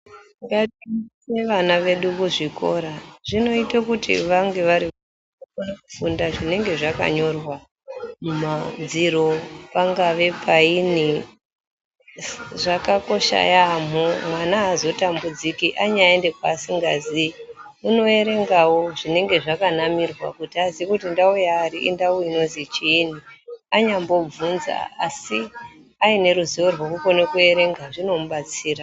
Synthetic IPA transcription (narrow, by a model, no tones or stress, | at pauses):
ŋɡatise̞ʋanaʋe̞ɗukuʐiko̞̰ɾaʐ̥ino̞itakutḭʋaŋɡe̞ʋaɾi | ufundaʐine̞ŋɡe̞ʐaka̰ɲo̞rwa | mumad͡ziɾo̞paŋɡaʋe̞pʰaini | ʐakako̞ʃa̰jam̤umwanaːzo̞tambud͡zikiʔaɲaende̞kwasiŋɡazi | uno̞e̞ɾe̞ŋɡawo̞ʐine̞ŋɡe̞ʐakanamirwa̰kutiazikutindaujaːriʔḭndauino̞zit͡ʃiːniaɲambo̞b͡vunza̰a̰si | aine̞ɾuziorwokuko̞nekue̞ɾe̞ŋɡaʐino̞muɓat͡siːra